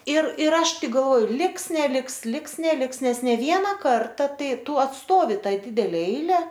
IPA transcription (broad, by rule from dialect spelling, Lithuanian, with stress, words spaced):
ɪr ɪr ˈɐʃ ˈtʲɪk ɡɐlˠˈʋoː ˈlʲɪks nʲɛˈlʲɪks ˈlʲɪks nʲɛˈlʲɪks ˈnʲɛs nʲɛ ˈʋʲiɛnɐ ˈkɐrtɐ ˈtɐɪ ˈtʊ ɐtˈstoːʋʲɪ ˈtɐɪ ˈdʲɪdʲɛlʲɛ ˈɛɪlʲɛ